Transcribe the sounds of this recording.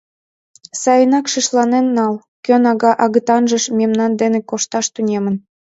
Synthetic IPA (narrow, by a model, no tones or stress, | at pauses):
sɑjənɑkʃiʃlɑnenːɑl | kønɑɣɑʔɑɣət̪ɑnʒəʃmemnɑnd̪enekoʃt̪ɑʃt̪unʲemən